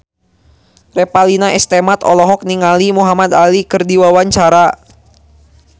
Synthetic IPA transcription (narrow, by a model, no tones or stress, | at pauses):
rɛpalinaʔɛst̪ɛmat̪ɔ̰lɔɦɔk̚niŋalimuɦamad̪alikɨrdiwawaɲt͡ʃaɾa